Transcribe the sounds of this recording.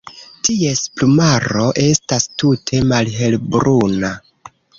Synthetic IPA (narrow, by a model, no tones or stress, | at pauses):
tiesplumaɾo̞ʔe̞stastutʰe̞malɦe̞lbɾuna